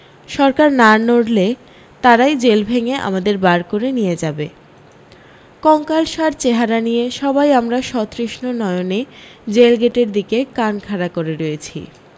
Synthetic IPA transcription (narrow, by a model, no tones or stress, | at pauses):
ʃɔɾkaɾnanoɽle | t̪aɾajd͡ʑelbʱeŋeʔa̰mad̪eɾbaɾkoɾenijed͡ʑabe | kɔŋkalʃaɾt͡ɕeɦaɾanijeʃɔbajamɾaʃɔt̪ɾiʃnonɔeoned͡ʑelɡeʈeɾd̪ikekankʰaɾakoɾeɾojet͡ɕʰḭ